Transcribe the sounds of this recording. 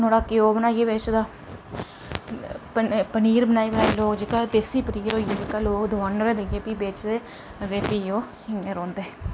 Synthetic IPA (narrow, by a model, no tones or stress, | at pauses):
noːɽaːkɪjoːbənaːieːbeːt͡ʃd̪aː | pəpəniːɾbənaːiːbənaːiːloːkd͡ʒɪkaːd̪eːsiːpəniːɾɦoːijeːd͡ʒekaːloːkd̪ʊaːnɾeːd̪eeːpiːbeːt͡ʃd̪eː | d̪eːpiːoː | ɪẽːɾoːnd̪eː